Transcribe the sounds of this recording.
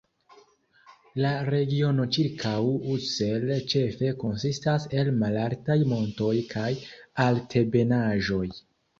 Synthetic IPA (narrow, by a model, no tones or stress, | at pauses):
laɾe̞ɡio̞no̞t͡ʃiɾkʰawuse̞lt͡ʃe̞fe̞ko̞nsistase̞lmalaɾtajmo̞nto̞jkʰajaltʰe̞be̞naʒo̞j